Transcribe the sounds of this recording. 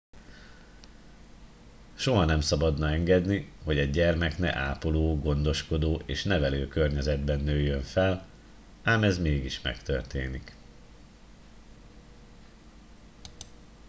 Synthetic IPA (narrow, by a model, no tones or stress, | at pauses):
ʃo̞ɦɒnɛmsɒbɒd̪nɒɛŋɡɛd̪niho̞ɟɛɟɟɛrmɛknɛ̰ʔaːpoloːɡo̞n̪d̪o̞ʃko̞d̪oːʔeːʃnɛvɛløːkø̞rɲɛzɛd̪bɛnːøːjːøɱfɛl | aːmɛzmeːɡiʃmɛ̰kt̪ø̞̰rt̪ḛːnik